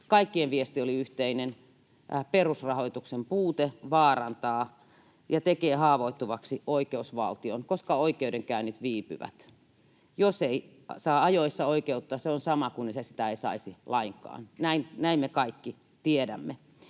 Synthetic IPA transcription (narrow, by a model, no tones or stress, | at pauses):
kɑikːieʋʋiest̪ioliyht̪einen | perusrɑhoit̪uksempuːt̪eʋɑːrɑnt̪ɑː | jɑt̪ekeːhɑːʋoit̪ːuʋɑksioikeusʋɑ̰lt̪io̰nkoskɑoikeudeŋkæynːit̪ʋiːpy̰ʋæ̰t̪ | josei | sɑːɑjoisːɑoikeut̪ːoɑːseonsɑmɑkunːisesi̥t̪æeisɑ̰isilɑiŋkɑ̰ːnnæinnæimmekɑikːi | t̪iedæ̰mːe